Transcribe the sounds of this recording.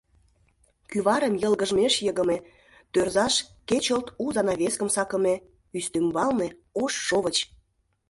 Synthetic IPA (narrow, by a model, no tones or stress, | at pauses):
kyβɑɾə̆mjəlɣə̆ʒmeʃjəɣə̆me | t̪ørzɑʃket͡ɕəlt̪uzɑnɑβʲeskəmsɑkə̆me | yst̪ymbɑlneoʃːoβət͡ɕ